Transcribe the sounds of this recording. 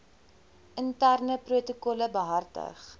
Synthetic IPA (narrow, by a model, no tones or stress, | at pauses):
ʔəntærnəpruətukɔləbəɦɐrtə̰χ